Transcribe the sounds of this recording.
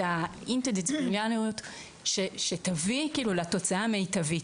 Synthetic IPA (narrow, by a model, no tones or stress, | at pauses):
aint̪ed̪etbunjanijut̪ | ʃeʃetavikiːlulato̞t͡saamejtavit